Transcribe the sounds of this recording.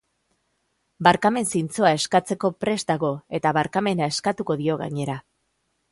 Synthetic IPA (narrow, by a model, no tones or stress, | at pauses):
baɾkame̞nsint͡so̞ae̞skat͡se̞ko̞pɾe̞zt̪aɣo̞e̞t̪aβaɾkame̞nae̞skat̪uko̞ðio̞ɣa̰ɲe̞ɾa